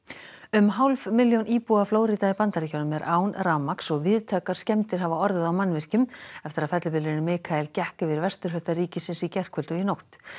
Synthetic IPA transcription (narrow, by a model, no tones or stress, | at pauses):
ʏmɦawlvmɪljownʔiːpuafloːwɾit̪aipant̪aɾɛcawnʏmɛɾʔaːwnɾawmaksɔɣvɪðt̪ʰaːkaɾ̥scɛmt̪ɪɾ̥ɦavaɔɾðɪðawmanːvɪr̥cʏmɛft̪ɪɾaðfɛt̪lʏpɪlɾɪnʏmɪːkʰaɛlcɛhkʏvɪðɾvɛst̪ʏɾ̥ɦʏt̪ːariːcɪsɪnsicɛr̥kʰvʏlt̪ʏinowht̪